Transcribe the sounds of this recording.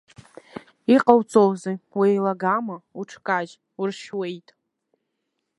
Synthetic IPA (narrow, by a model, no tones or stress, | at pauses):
iqʼawt͡sʰʼowziwejlaɡamauʈ͡ʂʰkʼad͡ʒ | urʃwejtʼ